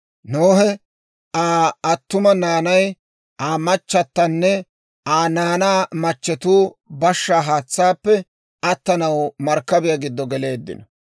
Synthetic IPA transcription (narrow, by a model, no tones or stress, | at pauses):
noːhɛ | ʔaːɐt̪ːʊmɐnaːnɐj | ʔaːmɐt͡ʃːɐt̪ːɐnːɛ | ʔaːnaːnaːmɐt͡ʃːɛt̪uːbɐʃːaːɦaːt͡sːaːpːɛ | ʔɐt̪ːɐnɐwmɐɾkːɐbɪjaɡɪd̪ːɔɡɛle̞ːd̪ːɪ̰nɔ